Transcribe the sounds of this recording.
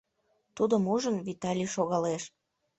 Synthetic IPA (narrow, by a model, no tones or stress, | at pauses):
t̪ud̪əmuʒənvit̪ɑlʲiʃoɣɑleʃ